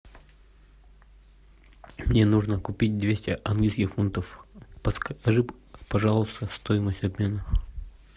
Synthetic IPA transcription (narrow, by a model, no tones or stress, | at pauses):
mnʲenuʐnəkʊpʲit̚ʲd̪vʲesʲtʲɪʔɐnɡlʲijskʲɪxfunt̪əfpɐʐɨpɐʐalˠəst̪əst̪ojɪməsʲtʲɐbmʲe̞nə